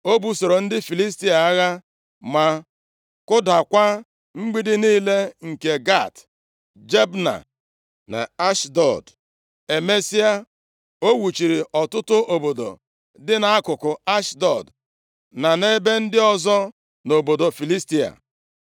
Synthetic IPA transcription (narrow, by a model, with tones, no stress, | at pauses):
o˦bu˨so˨ɾo˨n̩˦dɪ˦fi˨li˦s̬ti˦a˨a˦ɣa˦ | ma˨ | kʊ˦da˨kʷa˦ | ŋ͡m̩˦ɡ͡bi˦dɪ˦niː˦le˦ŋ̩˨ke˨ɡa˦˨t | d͡ʒe˦bna̰˨ | na̰˨a˦ʃdɔ˨d | e˨me˦si˦a˦ | o˦wu˨t͡ʃi˨ɾi˨ʔɔ˨tʊ˦tʊ˦ʔo˨bo˨do̰˨ | dɪ˦na˨a˦kʊ˨kʊ˨a˦ʃdɔ˨d | na˨ne˦be˦n̩˦dɪ˦ɔ˦zɔ˦ | no˨bo˨do˨fi˨li˦sti˦a̰˨